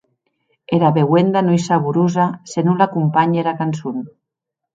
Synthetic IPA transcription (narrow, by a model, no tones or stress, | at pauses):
eɾaβewend̪anojsaβuɾuzasenulakumpaɲeɾakansun